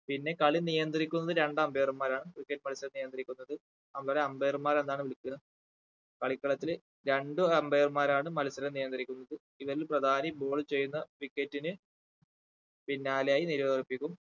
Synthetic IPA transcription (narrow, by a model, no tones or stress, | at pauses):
pinːe̞kɐɭinijɐnd̪irikʲːunːɐðɨɾe̞ɳɖɐmbejɐrmaːɾaːɳɨʋikːetːɨmɐlsɐɾɐnijɐnd̪rɾikʲːunːɐðɨ | ɐmbɐɾeɐmbɐjɐrmaːɾe̞nd̪aːɳɨʋiɭikʲːun | kɐɭikːɐɭɐt̪ːil | ɾe̞ɳɖɨɐmbɐjɐrmaːɾaːɳɨmɐlsɐɾɐnijɐnd̪iɾikʲːunːɐðɨ | iʋɐɾilprɐd̪ʱaːnibo̞ːɭt͡ɕe̞jːunːɐʋikːetːinɨ | pinːaːlejaːjiniɾɐʋɐripːikʲːum